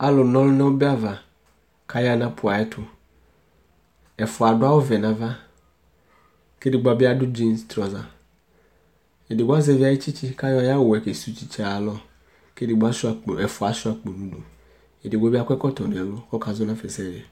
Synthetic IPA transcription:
a˦lʊ˨nɔ̃˦lnɛ̃˦wʊ˦bɪ˦a˦va˨ | kʰa˦ja˦nã˦pʰʊ˨a˨ɛ˦tʰʊ˦ | ɛ˨fʊ˨a˨dʊ˦a˦wʊ˦vɛ˨nã˨va˦ | ke˦dɪ˨ɡ͡ba˨˦bɪ˦a˦dʊ˦d͡ʒi˦nst̪ɾɔ˨za˨ | e˨dɪ˨wa˦zɛ˨vi˦a˨jɪ˦t͡ʃi˦t͡ʃi˦ka˦jɔ˦a˦ja˦wʊ˨ɛ˨ke˨su˦t͡ʃi˦t͡ʃa˨lɔ˦ | ke˦di˨ɡ͡ba˦sʊ˦a˨k͡po˨ɛ˨fʊ˨a˨sʊ˦a˨k͡po˨nũ˨˦do˨ | e˨dɪ˨wɔ˨˦bɪ˦a˦kʷɛ˦kɔ˦tɔ˨nʊ̃˨ɛ˨lʊ˦ɔ˦ka˨zʊ˦nã˦fɛ˨sɛ˦˨ɛ˨

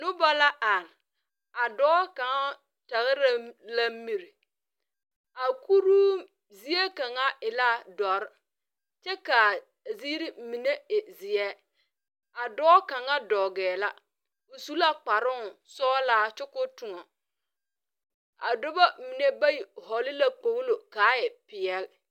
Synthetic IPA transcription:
nʊ˦ba˦la˦ʔa˨n˨ | a˨dɔː˦ka˨ŋa˦ | ta˨ɣɪ˦ɾla˦mi˨ɾi˨ | a˨ku˦ɾuː˦ | zi˦e˦ka˨ŋa˦ɪ˨la˦dɔ˨ɾ | t͡ʃɛ˦ka˨ | ziː˦ɾi˦mi˨ne˦ɪ˨zɪ˨ɛː˦ | a˨dɔː˦ka˨ŋa˦dɔː˨ɡɛː˨la˦ | o˨su˦la˦k͡pa˨ɾʊ˦˨sɔː˦laː˦t͡ʃʊ˦kʊ˦tʊ˨ŋɔ˨ | a˨dʊ˦ba˦˨mi˨ne˦ba˦ji˨ɦɔ˨lɪ˦la˦k͡po˨ɣlo˨ka˨˦jɛ˨pɪ˨ɛ˦l

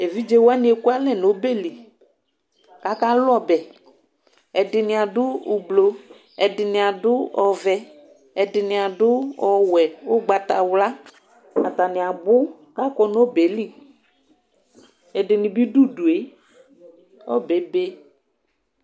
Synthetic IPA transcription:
e˨vi˦d͡ʒe˦wa˦nɪ̃˦e˨ku˦a˦lɛ˦˨n˨o˨˦be˦˨li˨ | ka˨˦ka˦lɔ˦˨bɛ˨ | ɛ˨dɪ˨nɪ˨˦a˨dʊ˦ʊ˨blo˨ | ɛ˨dɪ˨nɪ˨a˨dʊ˦ɔ˨vɛ˦ | ɛ˨dɪ˨nɪ̃˨a˨dʊ˦ɔ˨wɛ˨ʊ˦ɡ͡ba˨ta˨wla˦ | a˨ta˨nɪ˨a˨bʊ˦ | ka˦kɔ˦n˦o˦be˨˦li˦˨ | ɛ˨dɪ˨nɪ˨bi˦du˦du˨e˨˦ | ɔ˦bɛ˨˦be˦

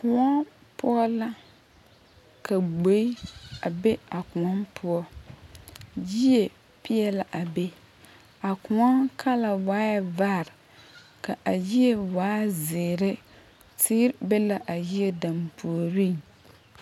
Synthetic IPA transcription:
kʊ˨ŋɔ˦ | pʊ˦ɔ˦la˦ | ka˨ɡ͡bo˨˦i˦a˨be˦a˨kʊ˨ɔ˦npʰʊ˦ɔ˦ | ji˦e˨ | pi˦ɛ˦la˨ʔa˨be˦ | a˨kʊ˨ŋɔ˦nkʰa˦la˨waː˦ja˦va˦˨ɾ | ka˨ʔa˨ji˦e˦waː˨˦zɪː˨ɾɪ˦ | tʰiː˦ɾbɛ˦la˦ʔa˨ji˦e˦da˨mpʰu˨o˨ɾi˦˨

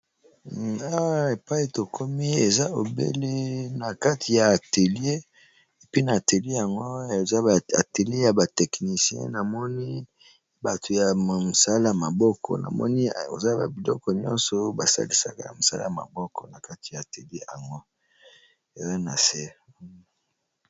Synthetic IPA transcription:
a˦wa˦e˨pa˦i˦to˨kʰo˦mi˦e˨za˦o˨bḛ˦le˦na˨ka˦tʰi˨jaː˨te˨lje˦ | e˨pi˦naː˨te˨le˦ja˨ŋɡo˦e˨za˦˨a̰˨te˨le˦ja˨ba˨tɛ˨kni˨si˦ɛ̰̃˦na˨mɔ˦ni˦ | ba˨tʰo˨ja˨mo˨sa˦la˦ja˨ma˨bɔ˦kʰɔ̰˨na̰˨mɔ̰˦ni˦o̰˨za˦ba̰˨bi˨lɔ̰˦kɔ˨ɲɔ̰̃˦nsɔ˨ba˨sa̰˦li˦sa̰˨ka̰˦ja̰˨mo˨sa̰˦la̰˦˨a˨ma̰˨bɔ˦kɔ˨na˨ka˦ti̥˨ja˨te˨le˦ja˨ŋɡo˦ | e˨za˦na̰˨se˦

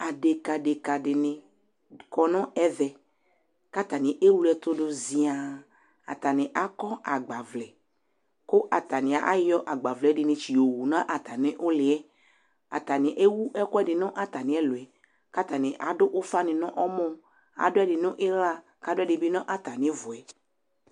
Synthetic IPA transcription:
a˨ɖe˨ka˨ɖe˨ka˨ɖɪ˨nɪ̃˨ | kɔ˨nɔ̃˦ɛ˦ðɛ˨ | ka˦t̪a˨nɪ̃˨ʔe˦wu˦ɛ˨˦t̪ʊ˦ɖʊ˦zi˨a˨ | a̰˨t̪a˨nɪ̃˨ʔa˦kɔ˦a˨ɡ͡ba˨vlɛ˨ | ko˦ʔa˨t̪a˨nɪ̃˨a˨ʔa˦jɔ˦ʔa˨ɡ͡ba˨vlɛ˨˦ɖɪ˨nɪ̃˨t͡ʃi˨o˨wu˨nã˦ʔa˨t̪a˨nɪ̃˨ʔo˦lɪ˨ɛ˦ | a̰˨t̪a˨nɪ̃˨ʔe˦wu˦ʔɛ˦kɔ˦ɛ˦ɖɪ˨nɔ̃˦ʔa˨t̪a˨nɪ̃˨˦ɛ˦lo˨ɛ˨ | ka˦t̪a˨nɪ̃˨ʔa˨ɖʊ˦ʔo˦fa˦nɪ̃˨nɔ̃˦ʔɔ˦mɔ̃˦ | a̰˨ɖʊ˦ɛ˦ɖɪ˨nʊ̃˦ʔe˦la˦ | ka˦ɖʊ˦ɛ˦ɖɪ˨bɪ˦nɔ̃˦ʔa˨t̪a˨nɪ̃˨˦vʊ˨ɛ˨

